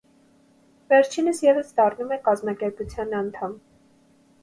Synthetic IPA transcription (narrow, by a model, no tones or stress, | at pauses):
vɛɾt͡ʃʰinəsjɛvəsd̪ɑrnumɛkɑzmɑkɛɾput͡sʰjɑnɑnt̪ʰɑm